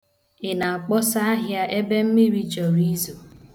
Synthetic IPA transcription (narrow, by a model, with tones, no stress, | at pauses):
ɪ˨na˨a˨k͡pɔ˦sa˦a˦ɦja˦ʔe˦be˦m̩˦mi˦ɾi˦d͡ʒɔ˨ɾi˦zo˨